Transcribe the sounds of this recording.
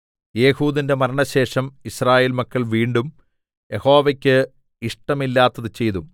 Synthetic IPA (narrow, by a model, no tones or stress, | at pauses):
je̞ːhuːðinde̞mɐɾɐɳɐɕe̞ːʂɐmiɕraːjeːlmɐkːɐɭʋiːɳɖum | je̞ho̞ːʋɐkʲːɨ | iʂʈɐmilːaːt̪ːɐðɨt͡ɕe̞jðu